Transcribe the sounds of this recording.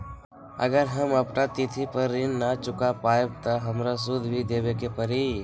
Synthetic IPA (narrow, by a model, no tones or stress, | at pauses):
ə̰ɡəɾɦəməpnat̪ɪt̪ʰipəɾːɪnːat͡ʃʊkapaːeb̚t̪aɦɐmɾas̬ʊd̪ʱbʱid̪eːbekepəɾi